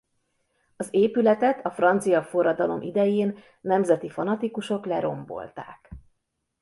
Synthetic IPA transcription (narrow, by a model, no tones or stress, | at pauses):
ɒzeːpylɛt̪ɛt̪ʰɒfrɒnt̪sijɒfo̞rːɒd̪ɒlo̞̰mʔḭd̪ɛjeːnː | ɛmzɛt̪ifɒnɒt̪ikuʃo̞klɛɾo̞̰mbo̞̰lt̪a̰ːk